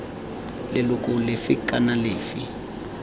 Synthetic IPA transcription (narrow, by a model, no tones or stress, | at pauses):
lɛlukʼulefikʼanaleːfḭ